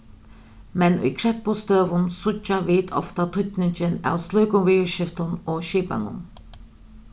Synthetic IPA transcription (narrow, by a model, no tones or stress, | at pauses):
mɛnʊ̰jkʰɾɛpːʊst̪øːʋʊnsʊt͡ʃːaʋiːt̪ɔ̰ft̪at̪ʰʊt̪nɪɲt͡ʃɪna̰wslɔɥkʊŋʋiːʃɪft̪ʊnoːʃiːpa̰ŋʊ̰n